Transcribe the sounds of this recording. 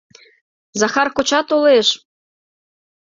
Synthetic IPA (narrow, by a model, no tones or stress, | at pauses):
zɑxɑrkot͡ɕɑt̪uleʃ